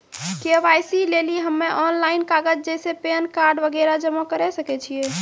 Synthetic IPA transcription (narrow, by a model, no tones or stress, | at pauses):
keʋajsileliɦəmːeʔɔnlaɪinkaɡəd͡ʒd͡ʒɛsepenkaɾɖʋəɡɛɾad͡ʒəmakəɾɛsəkɛt͡ʃʰije